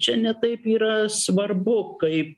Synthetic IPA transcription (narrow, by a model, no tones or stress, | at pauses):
t͡ʃʲɛnʲɛt̪ɐɪpiːɾɐsʋɐrbʊkɐɪp̚